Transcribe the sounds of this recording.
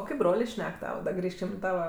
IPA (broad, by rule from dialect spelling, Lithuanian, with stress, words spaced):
oː ˈkɐɪp ˈbroːlʲeː ˈʃʲnʲɛk ˈtɑːʋɐ dɐ ˈɡrʲiːʃʲkʲɪm ɪ ˈtɑːʋɐ